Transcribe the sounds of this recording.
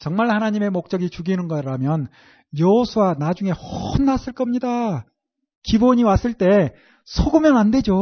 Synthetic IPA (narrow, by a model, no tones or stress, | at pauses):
t͡ɕʌŋmaɭhanaɲime̞mok̚t͡ɕ͈ʌɡit͡ɕuɡinɯnɡʌɾamjʌn | jʌɦosʰuwanad͡ʑuŋe̞onːas͈ɯɭk͈ʌmɲida | kiboɲiwas͈ɯɭt͈e̞ | sʰoɡumjʌnande̞d͡ʑo